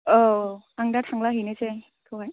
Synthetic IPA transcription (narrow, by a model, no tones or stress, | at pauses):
ɔ | aŋdatʰaŋlaɦinese | kʰɯwɦaj